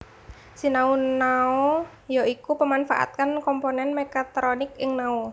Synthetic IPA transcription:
sinaunːaɔ | joikupəmanfa̰ʔa̰t̪̚kankɔmponɛnmekat̪ɾonɪkɪŋnau

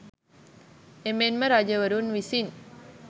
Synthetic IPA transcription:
emenməɾad͡ʒəʋəɾunʋisin

